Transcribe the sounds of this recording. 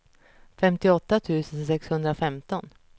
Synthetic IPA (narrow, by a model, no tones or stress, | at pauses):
fɛmt̪ɪɔt̪ːat̪ʰʉ̟ːsənsɛkshɵnd̪ɾafɛmt̪ɔn